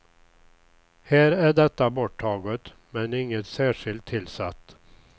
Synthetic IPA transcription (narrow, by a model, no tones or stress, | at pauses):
hæːɾæɖɛt̪ːabɔʈʰːɑːɡət̪ | mɛnɪŋːət̪sæːʂɪlt̪ʰːɪlsat̪ː